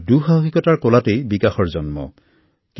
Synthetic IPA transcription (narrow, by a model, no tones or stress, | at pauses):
duxakikɔtaɹkɔlatejbikaxɔɹzɔnmɔ̰ | k